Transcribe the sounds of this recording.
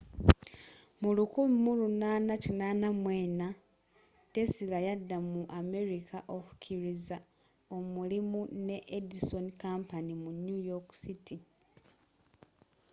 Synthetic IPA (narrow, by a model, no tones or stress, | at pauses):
mulukuβimulunaːnacinaːnamwe̞ːna | te̞silajadːamuʔame̞ɾikʰaʔo̞ku̥cʰiɾiza | o̞mulimune̞ʔediso̞nkampanimunjujoksiti